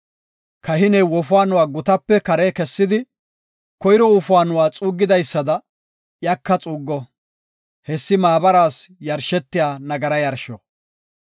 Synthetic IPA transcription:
kɐɦɪnɛwɔfʊaːnʊwaːɡʊt̪ɐpːɛkɐɾeːkɛsːɪd̪ɪ | kɔjɪɾɔʊfʊaːnʊwaːt͡sʼuːɡːɪd̪ɐjsːɐd̪ɐ | jɐkːɐt͡sʼuːɡːɔ | hɛsːɪmaːbɐɾaːsjɐɾʃɛt̪ːɪjaːnɐɡɐɾɐjɐɾʃɔ

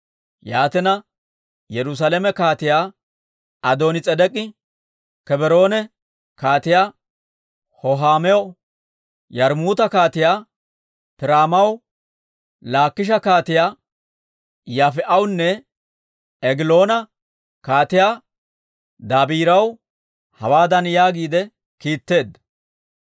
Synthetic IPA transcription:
jaːt̪ɛnɐ | jɛɾʊs̬aːlɛmɛkaːt̪ɪjaː | ɐd̪o̞ːnɪt͡sʼɛd̪ɛkʼːɪ | kɛbɛɾo̞ːnɛ | kaːt̪ɪjaː | hɔɦaːmɛɔ | jɐɾmuːt̪ɐkaːt̪ɪjaː | pɪɾaːmɐw | laːkːɪʃ̬ɐkaːt̪ɪjaː | jaːfɛʔɐwnːɛ | ɛɡɪlo̞ːnɐ | kaːt̪ɪjaː | d̪aːbiːɾɐw | hɐwaːd̪ɐnjaːɡiːd̪ɛ | kiːt̪ːe̞ːd̪ɐ

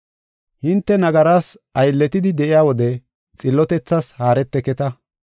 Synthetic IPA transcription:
hɪnt̪ːɛnɐɡɐɾaːs | ɐjlːɛt̪ɪd̪ɪd̪ɛʔɪjaːwɔd̪ɛ | t͡sʼɪlːɔt̪ɛt͡sːɐshaːɾɛt̪ːɛkɛt̪ɐ

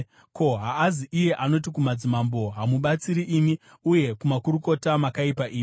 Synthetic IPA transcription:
ko̞ɦaːziʔije̞ʔano̞t̬ikumad͡zimambo̞ɦamuɓat͡siɾiʔimi | uje̞kumakuɾuko̞tamakaipaʔiːmi

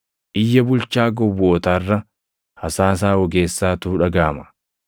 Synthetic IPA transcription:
ʔɪjːɐbʊlt͡ʃaːɡɔwːoːt̪aːrːɐ | hɐsaːs̬aːwɔɡe̞ːsːaːt̪uːᶑɐɡaːmɐ̥

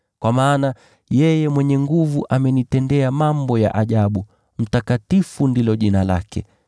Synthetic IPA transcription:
kwamaːna | jɛjɛmwɛɲɛŋɡuvuʔamɛnitɛndɛamambɔja̰ʔaʄaɓu | m̩takatifundilɔʄinala̰kɛ̰

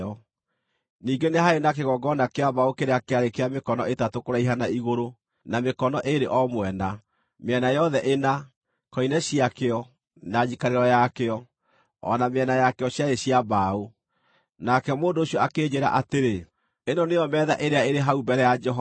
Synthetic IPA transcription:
ɔ | niːɡenehaenakeɣɔɡɔnakeaβaokeɾeakeaɾekeamekɔnɔetatokoɾaiɦanaiɣoɾo | namekɔnɔʔeɾeʔɔmwɛna | meɛnajɔðɛʔena | kɔinɛɕiakeɔ | naɲikaɾeɾɔjakeɔ | ɔ̰nameɛnajakɔɕjaeɕiaβao | nakɛmoːndoːɕjɔakeɲeɾa̰ʔateɾe | enɔneɔmɛːða̰ʔeɾeaeɾeɦaubɛɾɛjad͡ʒɛɦɔ

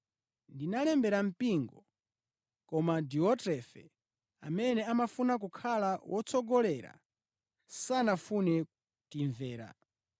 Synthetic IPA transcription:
ndinalɛmbɛɾam̩piŋɡɔ | kɔmadiɔtɾɛfɛ̰ | a̰mɛnɛamafunak̬ukʰalawʔɔt͡sʰɔɡɔlɛɾa̰ | sanafunɛ | tiɱvɛːɾa̰

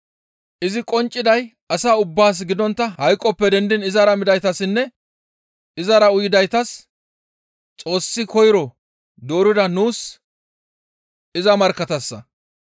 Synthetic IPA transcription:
ʔɪzɪkʼɔnt͡ʃʼːɪd̪ɐj | ɐsaːʊbːaːs̬ɡɪd̪ɔnt̪ːɐhɐjkʼːɔpːɛd̪ɛnd̪ɪnɪzɐɾɐmɪd̪ɐjt̪ɐsɪnːɛ | ɪzɐɾɐʊjɪd̪ɐjt̪ɐs | t͡sʼo̞ːsːɪkɔjɾɔ | d̪o̞ːɾɪd̪ɐnuːs | ɪzɐmɐɾkːɐt̪ɐsːɐ̰

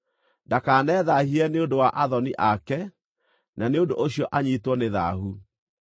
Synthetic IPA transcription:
ndakaːnɛːðahiɛneondowaʔaðɔniʔakɛ | naneondoʔoɕiɔʔaɲiːtwɔneða̰ɦu

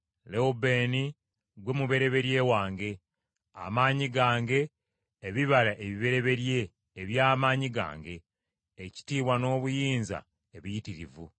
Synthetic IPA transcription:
leube̞ni | ɡwe̞muβe̞ɾe̞βe̞ɾje̞waːŋɡe̞ | a̰maːɲiɡaːŋɡe̞ː | βiβalaʔeβiβe̞ɾe̞βe̞ɾje̞ː | βjaːmaːɲiɡa̰ːŋɡe̞ː | ci̥tiːβwano̞ːβujiːnza̰ | eβijitiɾḭvṵ

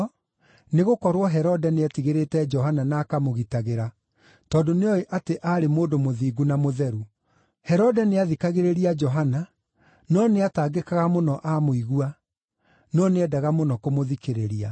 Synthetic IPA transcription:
neɣokɔɾwɔɦɛɾɔdɛneatiɣeɾetɛd͡ʒɔɦananaːkamoɣitaɣeɾa | tɔːndoneɔeʔateʔaɾemoːdomoðiːɡunamoðɛɾu | hɛɾɔdɛneaðikaɣeɾeɾiad͡ʒɔɦana | nɔneataːɡekaɣamonɔʔamoiɣua | nɔneɛdaɣamonɔkomoðikeɾeɾia̰

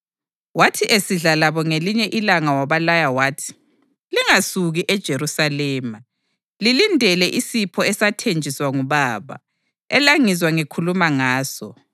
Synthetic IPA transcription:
watʰiʔesiɮalaβɔŋeliɲɛʔilaŋawaβalajawaːtʰi̥ | liŋasuɣiʔɛd̥ʒ̥ʱeɾusalɛːma | lilindʱɛlɛʔisipʰɔɛsatʰend͡ʒʱiswaŋuβaːβa̰ | ɛlaŋizwaŋekʰulumaŋaːsɔ

